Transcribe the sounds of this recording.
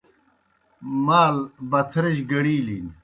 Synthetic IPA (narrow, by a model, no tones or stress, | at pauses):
maːlbɐt̪ʰɾɐɕɡɐɽiːliːn